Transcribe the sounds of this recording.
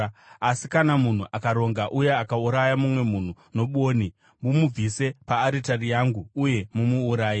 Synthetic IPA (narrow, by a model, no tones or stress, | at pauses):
asikanamun̤uʔakaɾo̞ŋɡaʔuje̞akauɾajamumwe̞mun̤u | no̞ɓoːni | mumub͡vise̞paːɾitarijaŋɡuːje̞mumuːɾaːji